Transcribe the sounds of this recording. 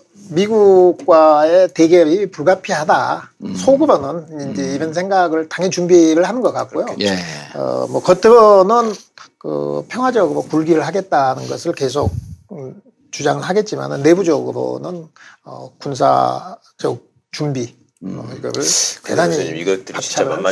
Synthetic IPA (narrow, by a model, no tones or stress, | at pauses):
miɡuk̚k͈waete̞ɡeɾipuɭɡapʰiɦadasʰoɡɯɾonɯnind͡ʑe̞iɾʌnsʰe̞ŋɡaɡɯɭtaŋɦent͡ɕumbiɾɯɭhanɯnɡʌk͈ak̚k͈ojoʌ̰mʌkʌt͈ʰɯɾʌnɯn | kɯ̰pʰjʌŋɦwad͡ʑʌɡɯɾopuɭɡiɾɯɭhaɡe̞t̚t͈anɯnɡʌsʰɯɭke̞s̬ʰok̚ | t͡ɕud͡ʑaŋɯɭɦaɡe̞t̚t͡ɕ͈ima̰nɯnːe̞bud͡ʑʌɡɯɾo̰nɯnʌ̰kunsʰa̰ | t͡ɕʌk̚ | t͡ɕumbi | mʌ̰iɡʌ̰ɾɯɭtedaɲiiʌpat͡ɕʰa